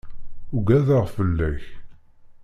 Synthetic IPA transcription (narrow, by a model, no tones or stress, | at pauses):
uɡæðəʁfəlːæç